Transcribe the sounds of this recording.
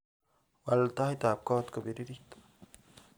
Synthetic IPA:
walt̪ahit̪ap̚kɔːt̪kobiɾiɾit̪

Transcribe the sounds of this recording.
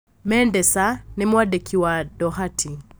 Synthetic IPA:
mɛndɛsanimwadekʰiwadɔhatʰi

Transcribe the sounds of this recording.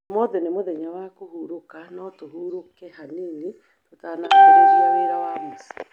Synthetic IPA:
mɔðenemoðɛɲawakohuɾokanɔtohuːɾokɛhanene | totanaoooeɾawaːmosḁ

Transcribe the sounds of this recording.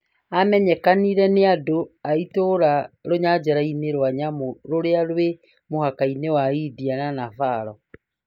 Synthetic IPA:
amɛɲɛkaniɾɛneadoaitoɾaɾoɲad͡ʒaɾaineɾwaɲamoɾoɾeaɾwe | mohakainewaidiananafaːɾɔ

